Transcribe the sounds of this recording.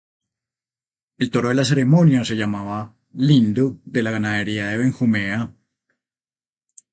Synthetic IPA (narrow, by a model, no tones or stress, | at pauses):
e̞lt̪o̞ɾo̞ðelas̬e̞ɾe̞mõ̞njase̞ʝamaβa | lind̪oðe̞laɣanaðe̞ɾiaðe̞βeŋxumea